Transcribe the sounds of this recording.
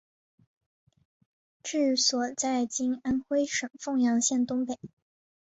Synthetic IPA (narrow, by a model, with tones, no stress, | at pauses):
ʈ͡ʂɻ̩˥˩swɔ˨˩t͡sa˥˩ɪt͡ɕi˥na˥nxwe˥ɪʂɤ˨˩ŋfɤ˥˩ŋjɑ˧˥ŋɕjɛ˥˩nt̪ʊ˥ŋpe˨˩˦ɪ